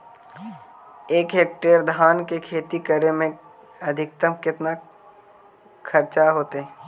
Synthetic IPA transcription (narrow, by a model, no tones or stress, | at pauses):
eːkɦeːk̚ʈeːɾd̪ʱaːnkekʰeːt̪ikəɾemẽ | ɐd̪ʱɪk̚t̪əmkɪt̪na | kʰəɾt͡ʃaɦoːt̪eɦɛ̃